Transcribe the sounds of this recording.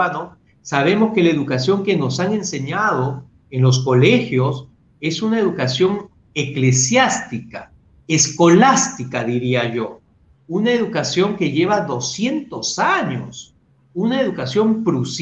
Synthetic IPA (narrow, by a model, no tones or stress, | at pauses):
ano | saβ̞e̞mo̞ske̞lae̞ðukasjo̞ŋke̞no̞saŋe̞nse̞ɲað̞o̞ | enlo̞s̬ko̞le̞xjo̞s | e̞sunae̞ðukasjo̞ŋ | ekle̞sjast̪ika | esko̞last̪ikaðiɾiaʝo̞ | unaeðukasjo̞ŋke̞ʝe̞βaðo̞sje̞nt̪o̞saɲo̰s | unaeðukasjo̞mpɾus